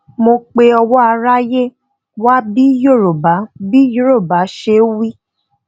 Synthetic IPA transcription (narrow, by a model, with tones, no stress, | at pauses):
mo˧k͡pe˧ɔ˧wɔ˦a˧ɾa˦je˦ | wa˦bi˦jo˦˨ɾo˨ba˨˦bi˦jo˦ɾo˦˨ba˨˦ʃe˧˦wi˦